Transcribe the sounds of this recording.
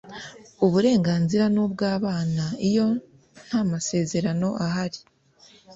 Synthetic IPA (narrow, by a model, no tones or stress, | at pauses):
uβuɾe̞ːŋɡaːnziɾanubɡaːβaːnaijo̞ | n̥hamase̞ːze̞ɾano̞ʔaɦaɾi